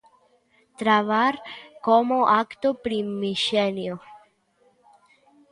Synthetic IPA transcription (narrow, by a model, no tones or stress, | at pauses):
t̪ɾavarkɔmoʔakt̪opɾimiʃɛnjo